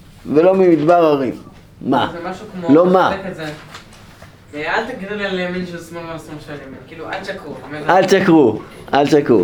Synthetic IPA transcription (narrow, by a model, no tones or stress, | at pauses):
velo̞mimid̪baʁaoʁimː | azemaʃukmolomakeze | vealt̪aɡd̪iʁialejaminʃesmolbamsumʃejaminkiːlualʃakʁumalʃakʁuʔalʃakʁṵ